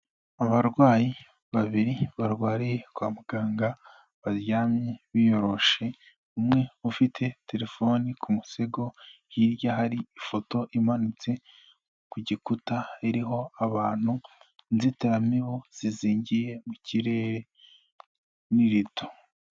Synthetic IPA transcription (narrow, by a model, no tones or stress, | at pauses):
aβaɾɡwaːji | βaβiɾiβaɾɡwaːɾije̞kwaːmuɡ̥aːŋɡa | βaɾjaːmɲe̞βijo̞ɾo̞ʃe̞ | umŋe̞ufitʰe̞te̞ɾe̞fo̞nikʰumuse̞ɡo̞ | jiɾɟaɦaɾiifo̞to̞ʔimanut͡se̞ | kuɟikutaeɾiɦo̞aβaːn̥hunziteɾamiβoz̥iziːɲɟije̞muciɾe̞ːɾe̞ | niɾito̥